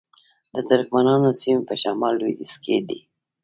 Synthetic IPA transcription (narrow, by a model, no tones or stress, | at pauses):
d̪əd̪ʊɾkmanɑnosimepəʃamɑlːwid̪iskʰḛd̪ḭ